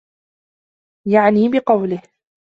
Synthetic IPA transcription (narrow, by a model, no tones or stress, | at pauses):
jaʕniːbɪqɑwlɪh